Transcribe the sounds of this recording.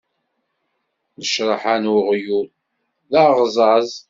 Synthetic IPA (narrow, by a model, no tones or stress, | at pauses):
nəʃɾˤɑħanʊʁjuð | ðæʁzˤɑzˤ